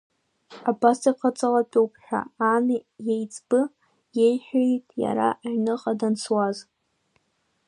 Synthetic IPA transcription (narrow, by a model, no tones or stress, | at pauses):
abastʼaqʰat͡sʼalapʼowpʰħᶣa̰anjejt͡sʼb̥ɨ | jejħʷᶣejtʼja̰ɾa̰ʔaʕnɨqʼadansʰwaz